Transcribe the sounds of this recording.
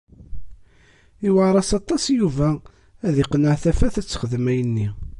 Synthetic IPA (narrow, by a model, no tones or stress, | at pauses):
iwaɾˤɑsɑt̪ˤːɑsjuvæ | æðiqnəʕθæfæθæt͡sːχəðəmæjənːi